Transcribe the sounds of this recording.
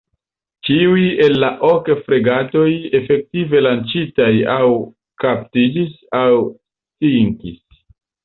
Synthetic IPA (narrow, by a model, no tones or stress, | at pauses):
t͡ʃiuje̞lːaʔo̞kfɾeɡato̞je̞fe̞k̚tive̞lant͡ʃitajaw | kaptid͡ʒis | aws | tiŋkis